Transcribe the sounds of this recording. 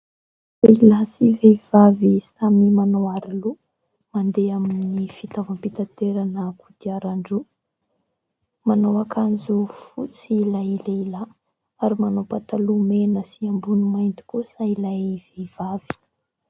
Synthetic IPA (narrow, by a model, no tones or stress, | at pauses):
ilasivev̥avisamimanawaɾilu | mand̪eaminnifit̪avampit̪at̪eɾanəkud̪̥iaɾaɳɖ͡ʐu | manawakʰanzufut͡silaileila | aɾimanopat̪alumenəsiambunumajnt̪i̥kusailajv̥ev̥av̥i̥